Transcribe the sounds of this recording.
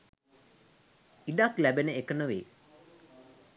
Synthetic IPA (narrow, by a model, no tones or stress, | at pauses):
iɖaklæbenəekənəʋeː